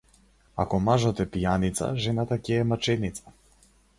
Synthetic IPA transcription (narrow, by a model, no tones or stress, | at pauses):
a̰kɔmaʒɔt̪ɛpijanit̪sa̰ʒɛnat̪acɛːmat͡ʃɛnit̪sḁ